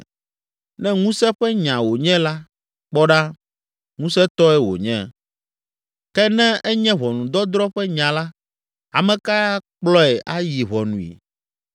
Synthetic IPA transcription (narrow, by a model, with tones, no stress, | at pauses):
nɛ̃˦ŋũ˦sɛ˦ɸɛ˦ɲã˨wo˨ɲɛ̃˦la˦ | k͡pɔ˦ɖa˦ | ŋũ˦sɛ˦t̪ɔ˦ɛ˦wo̰˨ɲɛ̃˦˨ | kɛ˦nɛ̃˦ʔɛ˦ɲɛ̃˦βɔ˨nũ˨d̪ɔ˦d̪ɾɔ˦ɸɛ˦ɲã˨la˦ | a˨mɛ̃˨ka˦k͡plɔ˦ɛ˨ʔa˦ji˨βɔ˨nũ˨ḭ˨